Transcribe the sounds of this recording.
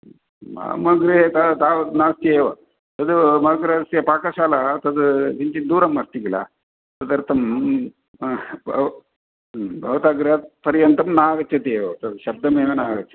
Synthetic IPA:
a̰mɐɡɾet̪at̪aːʋɐt̪naːst̪ieːʋɐ̰ | t̪ɐd̪umɐɡɾɐst̪ijɐpaːkɐʃaːlɐt̪ɐd̪ud͡ʒiɲt͡ʃid̪uːɾɐmːɐst̪iɡilɐ̰ | t̪ɐd̪ɐɾt̪ɐm | b̰ʱ | bʱɐʋɐt̪aːɡɾeɐt̪̚pɐɾijɐnt̪ɐmnaːɡɐt͡ʃʰɐt̪eːʋɐt̪ɐd̪ʃɐb̚d̪ɐmeːʋenaːɡɐt͡ʃʰːɐ̥t̪

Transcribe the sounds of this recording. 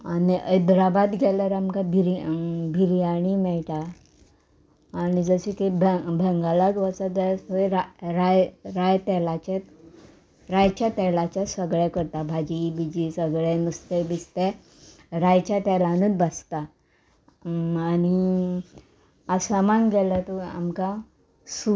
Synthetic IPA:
aniʔəjd̪ɾabad̪ɡʱɛljaɾamkabʱiɾibʱiɾiaɽ̃imɛɭt̪a | nid͡zəsekebbʱɛŋɡalaɡ̪ʋasad̪əseɾaɾajɾajt̪ɛlat͡ɕet̪ | ɾajt͡ɕjat̪ɛlat͡ɕjasəɡɭɛkəɾt̪abʱad͡ʑibid͡ʑisəɡɭɛnəst̪ebist̪ɛ | ɾajt͡ɕat̪ɛlanət͡s̪bast̪a | ani | asamanɡɛlat̪ɔa̰mka | su

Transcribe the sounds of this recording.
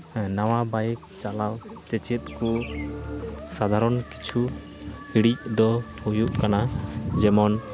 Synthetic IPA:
naw̃abajk̚t͡ʃalawt͡ʃɛt͡ʃɛt̪̚ku | sad̪ʱaɾɔnki̥t͡ʃʰu | hiɽic̚d̪ɔhujuʔkanad͡ʒɛmɔn

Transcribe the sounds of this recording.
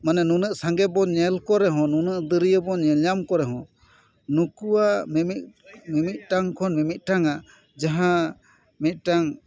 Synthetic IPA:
manɛnunəʔsaŋɡɛbɔɲɛlkɔɾɛɦɔ̃nunəʔd̪əɾijəbɔɲɛljamkɔɾɛɦɔ̃ | nukuwamimit̚mimit̪̚ˀʈaŋkʰɔnmimit̪̚ˀʈaŋa | d͡ʒaɦã | mit̪̚ˀʈaŋ

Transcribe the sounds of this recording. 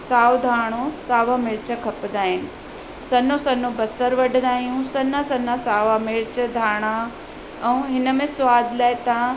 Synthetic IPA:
saːʋd̪ʱaːɽ̃osaːʋamɪɭt͡ɕəkʰɐpd̪aːɦɪnɪ̆ | sɐnosɐnobɐsəɾʋɐɖʱnd̪aːɦijũsɐnãsɐnasaːʋamɪɾt͡ɕəd̪ʱaːɽ̃a | ɛ̃ũɦɪnə̆mẽsʊʋaːd̪ʱlaːɪt̪ã

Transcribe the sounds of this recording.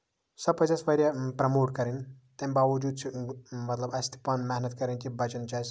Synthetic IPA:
sɐb̚pːɐd͡ʒaspɐɾʲjɐpɾɐmoːʈkɐɾint̪embaʋɐd͡ʒuːd̪̚t͡ʃʰimɐt̪lɐbɐst̪ʰi̥pɐnmaɦnɐt̪kɐɾinkibɐt͡ʃɐnt͡ʃʰas

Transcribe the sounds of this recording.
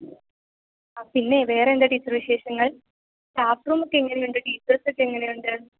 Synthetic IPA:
apinːe̞ʋe̞ːrendɐɖisɐrʋiɕe̞ːɕɐŋːɐɭ | ʈaːpruːmukːeŋːɐnejuɳɖɨʈiːsrɐsɨkːe̞ŋːɐnejuɳɖɨ

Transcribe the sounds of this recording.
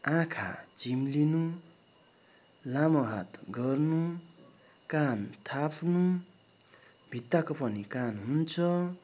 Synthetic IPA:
ãkʰa̰d͡zimlinu | lamʌɦat̪ɡʌrnu | kant̪ʰapʰnu | bʱit̪ːakopʌnikanɦunt͡sʰʌ

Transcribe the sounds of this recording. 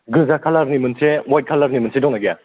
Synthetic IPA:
ɡɯzakʰalaɾnimɯnsewaj̚kʰalaɾnimɯnsʰedɔŋnaɡija

